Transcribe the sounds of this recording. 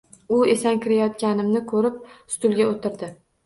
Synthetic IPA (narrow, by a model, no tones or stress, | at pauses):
ʊesaŋkʲʰɪɾajɒt̪̚kʲanɪmnɪkʰɵɾɪp̚st̪ʊlˠɡʲaot̪ɪɾd̪ɪ